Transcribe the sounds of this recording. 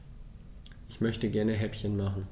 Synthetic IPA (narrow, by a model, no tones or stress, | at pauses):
ʔɪçmœçtəɡɛɐnəɦɛpçənmaχn̩